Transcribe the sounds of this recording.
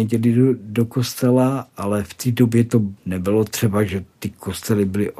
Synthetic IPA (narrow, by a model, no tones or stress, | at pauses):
ɛɟɛlɪdokost̪ɛlaʔalɛft̪iːdobjɛt̪onɛbɪlot̪r̝̥ɛbaʒɛt̪ɪkost̪ɛlɪbɪlɪʔ